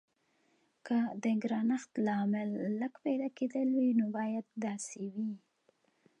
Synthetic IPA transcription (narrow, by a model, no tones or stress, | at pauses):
kəd̪əɡɾɑnaxt̪lɑmɪlːəkped̪ɑked̪əlwinobɑjad̪ːɑsewi